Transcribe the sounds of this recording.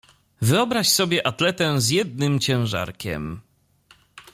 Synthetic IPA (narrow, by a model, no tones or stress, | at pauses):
vɘɔbɾaɕsɔbʲjɛʔat̪lɛt̪ɛ̃zjɛd̪̚nɘmt͡ɕɛ̃w̃ʐa̰ɾkʲɛ̰m